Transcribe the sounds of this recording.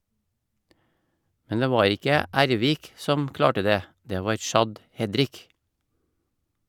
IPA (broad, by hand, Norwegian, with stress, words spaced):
ˈmɛn ˈdeː ˈʋɑːɾ ˈɪkə ˈʔæɾˌʋiːk ˈsɔm ˈklɑːʈə ˈdeː ˈdeː ˈʋɑːɾ ˈʃɑd ˈhɛdɾɪk